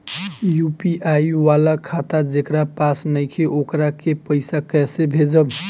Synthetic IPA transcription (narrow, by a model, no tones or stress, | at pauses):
jupiʔaiʋalakʰat̪ad͡ʒekɾapasnəjkʰeʔokɾakepəɪsakɛsebʱed͡ʒəb